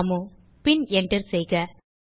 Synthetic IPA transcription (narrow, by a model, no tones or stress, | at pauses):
mu | pɪnɛɳɖɐɾsɛjɣɐ